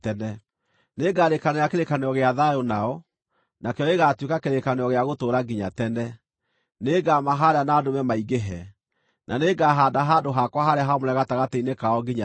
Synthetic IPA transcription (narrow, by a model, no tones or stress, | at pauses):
tɛnɛ | neɡaːɾekanejakeɾekaneɔɣeaðajonaɔ | nakɛɔeɣatwekakeɾekaneɔɣeaɣotoːɾaɡiɲatɛnɛ | neɡamaɦaɾeanaːdomɛmaiɡeɦɛ | nʔa̰neɡaɦaːdaɦaːdoɦakwaɦaɾeaɦamoɾɛɣataɣateinekaɔɡiɲa